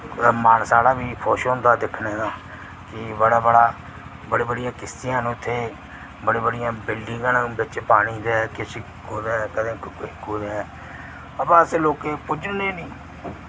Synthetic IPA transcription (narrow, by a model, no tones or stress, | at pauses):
maːnsaːɽaːbiːpʰɔːʃʊ̃nd̪aːd̪ɪkʰneːd̪aː | kɪbəɽaːbəɽaː | bəɽeːbəɽɪjãːkɪst̪ɪjãːnũːɪt̪ʰːeː | bəɽeːbəɽɪjãːbɪlɖɪ̃ŋɡaːnbɪt͡ʃpaːɽiːd̪ekɪs | koːɾeːkəd̪ẽːkuːɾeɛː | əpãːəseːloːkeːpʊd͡ʒneːnĩː